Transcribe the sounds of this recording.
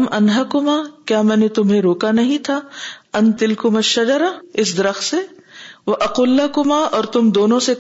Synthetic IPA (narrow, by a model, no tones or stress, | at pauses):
mɐnɦɐkʊmaːkjaːmɛ̃ːnet̪ʊmɦẽɾoːkanɐɦĩt̪ʰaːɐnt̪ɪlkʊmɐʃːɐd͡ʒɐɾaɪsd̪ɐɾɐxt̪seʋɐʔɐquːlːɐkʊmaːʔɔːɾt̪ʊmd̪oːnõse